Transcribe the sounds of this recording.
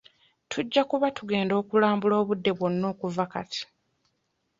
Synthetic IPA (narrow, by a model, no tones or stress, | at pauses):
tʰuɟːakuβatuɡe̞ːndo̞ːkulaːmbulo̞ːβudːe̞βwo̞nːo̞ːkuvaka̰tʰi̥